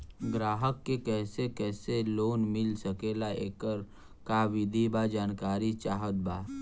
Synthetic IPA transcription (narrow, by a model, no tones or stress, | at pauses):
ɡɾaːɦəkːekɛːsekɛːseloːnmɪlsəkeːlaḛːkəɾ | kaʋɪd̪ʱibad͡ʒaːnkaːɾit͡ʃaːɦət̪̚baː